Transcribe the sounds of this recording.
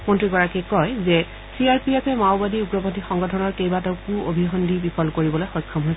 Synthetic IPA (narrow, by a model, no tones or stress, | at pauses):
mɔntɹikɔɹakɛkɔjzɛ | siaɹpiɛpʰɛmaʊbadiuɡɹɔbɔndixɔŋɡɔtʰɔnɔɹkejbatɔkuobʱiɦɔndʱibipʰɔlkoɹibɔlojxɔjkʰːɔmɦojsɛ